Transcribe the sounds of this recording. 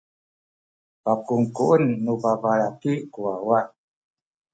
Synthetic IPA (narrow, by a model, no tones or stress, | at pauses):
pakuŋkuʔənːubavaɾakiʔkuawa